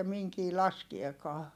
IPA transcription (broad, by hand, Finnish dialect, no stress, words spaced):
miŋkiː lɑskiekɑː